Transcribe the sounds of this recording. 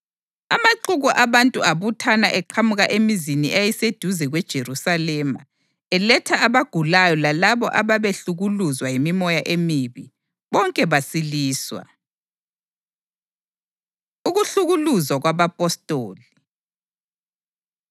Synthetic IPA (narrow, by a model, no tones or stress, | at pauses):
a̰maǃuɣuʔaβantʼuaβutʰana̰ʔɛǃʰamuɣaʔemiziniʔajised̥ʱuzɛɣwɛd̥ʒ̥ʱeɾusalɛma̰ | ɛlɛtʰaːβaɡ̥ʱulajɔlalaβɔ̰ʔaβaβeɬuɣuluzwajimimɔjaʔemiβi | βɔŋkʼɛβasiliːswa̰ | uɣuɬuɣuluzwaɣwaβapʼɔstʼoːli